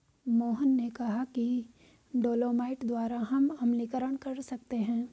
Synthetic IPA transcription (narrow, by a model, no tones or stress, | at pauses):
moːɦənːekɐɦaki | ɖoːloːmaːɪʈd̪waːɾaɦɐmɐmlikəɾəɽ̃kɐɾsɐk̚t̪eɦɛ̃ː